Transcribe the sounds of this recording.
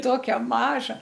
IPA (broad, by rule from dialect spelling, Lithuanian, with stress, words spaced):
ˈtoːkʲɛ ˈmɑːʒɐ